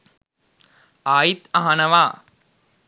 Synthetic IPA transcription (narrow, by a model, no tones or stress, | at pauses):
aːjit̪aɦɐnɐʋaː